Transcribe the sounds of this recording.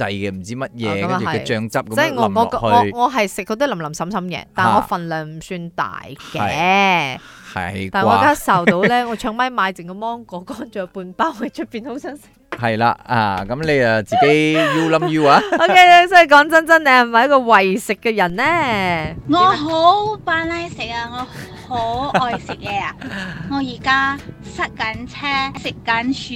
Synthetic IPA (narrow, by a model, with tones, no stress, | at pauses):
t͡sɐ˧jkɛ˧m̩˨˩t͡siː˥mɐ˦˥t̚jɛː˨˧kɐ˦˥ɐ˥˧˨ɐ˨ɛ˧jt͡ʃœː˧ŋt͡sɐ˥p̚kɐ˦t͡sɛ˥ŋɔ˧ŋɔː˨˧˨khɔː˨˧ŋɔː˨˧ɦɐ˨jsɪ˨k̚kːɔː˧t̪i˥lɐ˨˩mlɐ˨˩msɐ˨˥msɐ˧˥mkɛ̰ː˧t̪aː˨˩nːŋɔː˧fɐ˨nlœː˨ŋm̩˨˩syː˧nt̪a̰ː˨˩jkɛ˨˧ | hɐ̰˨jtaː˨˩jŋɔː˨˧a˥a˥sɐ˨˩wt̪o˨˧wlɛː˥ŋɔː˨˧t͡ʃʰœː˧˥ŋmɐ˧˥jmaː˨˧jt͡sɪ˨˩ŋkɔ˧mɔː˥ŋkɔː˨˧˥kɔː˨˥nt͡ʃœː˨puː˧npaː˥whɐ˨˩jt͡ʃʰɵ˥t̚piː˨nho˨˥wsɐ˥nsɪ˨˥k̚hɐ˨jla̰ː˧a̰ː˧kɐ˨˦˥mle˨˧ja˨t͡siː˨ke˨˥jji˥wlɐ˨˥mji˥waː˨˧o˥ke˥jo˥sɔː˨˥ji˨˧kɔː˨˥ŋt͡sɐ˥nt͡sɐ˥nlɛː˨hɐ˨˩mɐ˨jɐ˥kɔː˧wɐ˨jsɪ˨kːɛː˧jɐ˨˩nlɛː˥ŋɔː˨˧ɦo˨˥wpaː˨˧nlɐ˥jsɪ˨k̚aː˧ŋɔː˨˧ | ho˨˥wʔɔː˨jsɪ˨k̚jɛː˨˧a˨˧ŋɔː˨˧jiː˨˩kaː˥sɐ˥t̚kɐ˨˥nt͡sʰɛː˥sɪ˨kːɐ˨˥nt͡ʃː